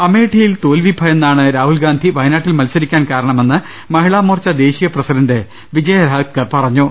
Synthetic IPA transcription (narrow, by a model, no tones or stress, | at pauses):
ɐme̞ːʈʰijilt̪oːlʋibʱɐenːaːɳɨɾaːɦulɡaːnd̪ʱiʋɐjnaːʈːilmɐlsɐɾikʲːaːnkaːɾɐɳɐme̞nːɨ | mɐɦiɭaːmoːrt͡ɕːɐd̪e̞ːɕijɐprɐsidɐnde | ʋid͡ʑɐjɐɾaːt̪̚kɐpɐrɐɲːu